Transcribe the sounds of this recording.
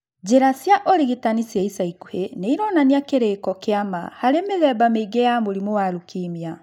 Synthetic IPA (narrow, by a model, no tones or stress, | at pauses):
d͡ʒeɾasjaʔɔɾiɣitanisjaisaikuheneiɾɔnaniakeɾekɔkeama̰haɾemeðɛbameiɡejamoɾimowaɾukimja